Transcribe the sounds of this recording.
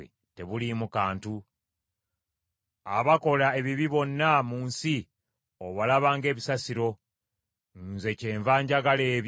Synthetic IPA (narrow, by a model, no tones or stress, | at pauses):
e | te̞βulimukaːntu | a̰βako̞lae̞βiβiβo̞nːamuːnsi | oβalaβaːŋɡe̞ːβisasiɾo̞ | nze̞ce̞ːɱvaːɲɟaɡale̞ːβ